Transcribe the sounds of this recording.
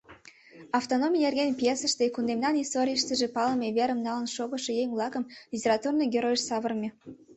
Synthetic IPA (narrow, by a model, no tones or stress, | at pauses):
ɑft̪onomʲijnerɣʲenpjesəʃt̪ekund̪emnɑnist̪oɾʲijəʃt̪əʒepɑləmʲeβeɾəmnɑlənʃoɣə̆ʃejeŋʲvlˠɑkəmlʲitʲeɾɑt̪urnɤjɡʲeɾojʃsɑβərmʲe